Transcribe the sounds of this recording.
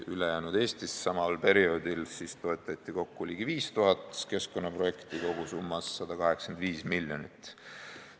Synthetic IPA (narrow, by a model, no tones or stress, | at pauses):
ylejæːnud̪̥e̞ːst̪issɑmɑlpe̞ɾio̞ːd̪̥ilsist̪o̞et̪ːˑɑt̪ʲˑːiko̞kːulʲiɡ̥iviːst̪uɦɑt̪ˑke̞sko̞nːɑpro̞je̞kt̪iko̞ɡ̥usumːɑsːɑd̪̥ɑkɑɦe̞kskend̪viːsmilʲːjo̞nit̪ːˑ